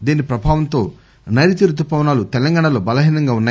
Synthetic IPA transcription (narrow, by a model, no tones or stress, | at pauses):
d̪eːnipɾɐbʱaːʋɐnt̪o̞ː | nɐɾit̪iɾɐd̪upɐʋɐnaːlut̪ɛlɐŋɡaːɳɐlo̞ːbɐlɐɦiːnɐŋɡaːunːaː